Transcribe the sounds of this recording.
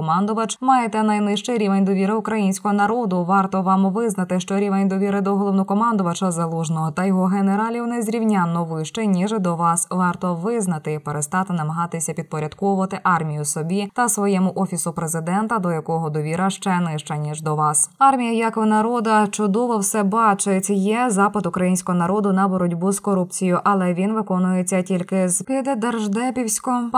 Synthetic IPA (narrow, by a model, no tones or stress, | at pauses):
kɔmɑnd̪ʊʋɐt͡ʃmɑjet̪ɛnɐjnɪʃt͡ʃejɾʲiʋenʲd̪ɔʋʲiɾɪʊkɾɐjinʲsʲkɔɦɔnɐɾɔd̪ʊʋɑrt̪ɔʋɑmʋɪznɐt̪ɪʃt͡ʃɔɾʲiʋenʲd̪ɔʋʲiɾɪd̪ɔɦɔlˠɔwnɔkɔmɑnd̪ʊʋɐt͡ʃɐzɐlˠuʒnɔɦɔt̪ɐjɔɦɔɦeneɾɑlʲiwnezʲɾʲiwnʲanːɔʋɪʃt͡ʃenʲiʒd̪ɔʋɑsʋɑrt̪ɔʋɪznɐt̪ɪpeɾest̪ɑt̪ɪnɐmɐɦɑt̪ɪsʲɐpʲid̪̚pɔɾʲɐd̪kɔʋʊʋɐt̪ɪʔɑrmʲijʊsɔbʲit̪ɐsʋɔjɛmʊʔɔfʲisʊpɾezɪd̪ɛnt̪ɐd̪ɔjɐkɔɦɔd̪ɔʋʲiɾɐʃt͡ʃɛnɪʃt͡ʃɐnʲiʒd̪ɔʋɑsɑrmʲijɐjakɔʋɔnɐɾɔd̪ɐt͡ʃʊd̪ɔʋɔwsɛbɑt͡ʃɪtʲjɛzɑpɐd̪ʊkɾɐjinʲsʲkɔɦɔnɐɾɔd̪ʊnɐbɔɾɔdʲbuzkɔɾup̚t͡sʲijʊʔɐlˠɛʋʲinʋɪkɔnʊjet͡sʲːɐtʲilʲkɪzkɪd̪ed̪erʒd̪ɛpʲiwsʲkɔ